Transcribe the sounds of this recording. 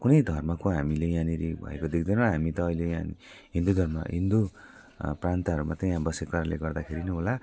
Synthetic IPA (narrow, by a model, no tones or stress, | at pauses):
kunʌjd̪ʱʌrmakoɦamilejãniɾibʱʌ̰ḛkod̪ek̚ʰd̪ʌnõɦamit̪ʌːilejã | ɦind̪ud̪ʱʌrma̰ɦind̪u | prant̪aɦʌɾumat̪ʌjãbʌsekkaɾaleɡʌrd̪akʰeɾinʌɦola